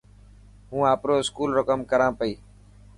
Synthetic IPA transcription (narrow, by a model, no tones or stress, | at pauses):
ɦũːaːpɾoːɪskuːlɾəkəmkəɾãːpəiː